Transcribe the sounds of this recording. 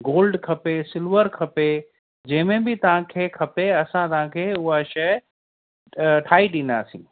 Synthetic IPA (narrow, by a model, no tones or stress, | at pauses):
ɡoːlɖkʰɐpesɪlʋəɾkʰɐpe | d͡ʑɐ̃ɦɪ̃mẽbɪt̪ɐʋ̤ãkʰeːkʰɐpeɐsãt̪ɐʋ̤ãkʰeːʊɦaʃɐ | ʈʰaːiɗɪ̃nd̪aːsḭ̃ː